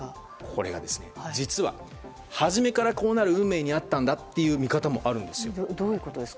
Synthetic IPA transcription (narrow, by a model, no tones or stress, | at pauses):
kʰo̞ɾe̞̰ɡa̰d̪e̞sɨ̥nḛd͡ʑit͡sɨβa̰ | haʑime̞kaɾako̞ːnaɾɯ̟ɯ̟̃mme̞ːɲ̟iat̪ːãnd̪at̪ːe̞jɯ̟ːmʲikat̪amo̞ʔaɾɯ̟̃nd̪e̞sɨjod̪oːjɯ̟kot̪od̪es